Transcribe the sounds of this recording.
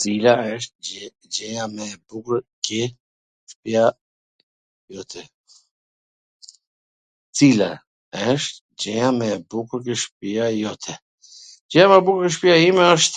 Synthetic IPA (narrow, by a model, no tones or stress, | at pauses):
t͡silaɛʃt̪̚ | d͡ʒɛjamɛbukɾkɛ | ʃpja | jɔt̪ʰɛ | t͡sila̰ | əʃt̪ | d͡ʒɛjamɛbukuɾk̬ɛʃpijajɔt̪ʰɛ | d͡ʒɛjamɛbukɾkɛʃ̬pijaimɛəʃt̪